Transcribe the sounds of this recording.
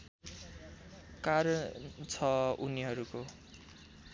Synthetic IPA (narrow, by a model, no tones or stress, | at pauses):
kaɾʌt͡sʰʌuniɦʌɾuko